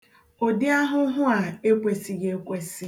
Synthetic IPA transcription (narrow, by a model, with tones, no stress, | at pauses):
o˨dɪ˦a˦ɦʊ˦ɦʊ˦a˨e˦kʷe˨si˨ɡe˨e˦kʷe˦si˦